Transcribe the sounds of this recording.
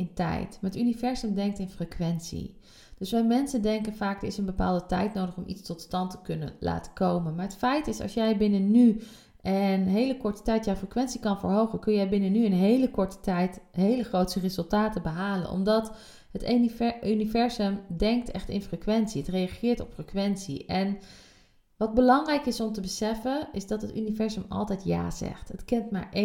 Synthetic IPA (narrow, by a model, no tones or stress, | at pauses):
ɪntɛ̰jtmaːɹətynivɛɹzəmdɛŋk̚tɪnfrekʋɛntsḭ | d̥ɵsʋɛjmɛnsəndɛŋkənvaːk̚dəɹɪsənbəpa̰ːlˠdətɛ̰jtnowdəχɔmʔḭtstɔtstɑntə̥kɵnə̰nla̰ːtə̥kowmənmaːɹɦətfɛjtɪsɑ̰lˠsjɛjbɪnəny | ənɦejləkɔɹtə̥tɛjtjɛwfrəkʋɛntsikɑnvəɹɦowχənkɵnjɛjbɪnənyənɦejləkɔtɛjtɦejləχrowtsərezɵlˠtaːtəbəɦaːlə̰nɔ̰mdɑt | ɦətynivɛɹzəmdɛŋk̚tɛχtɪ̰nfrəkʋɛntsiətrejɑχɪːɹtɔpfrəkʋɛntsḭʔɛn | ʋɑd̚bəlɑŋrɛjkɪsɔmtəbəsɛfənɪzdɑtɦəty̰nivɛɹzəmɑ̰lˠtɛjtja̰ːzɛ̰χtətkɪntma̰ːɹʔe